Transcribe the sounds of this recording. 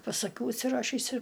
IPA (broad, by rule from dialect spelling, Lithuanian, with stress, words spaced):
pɐs ɐˈkʲuː ʊʃʲsʲɪˈrɑːʃʲiːs ɪr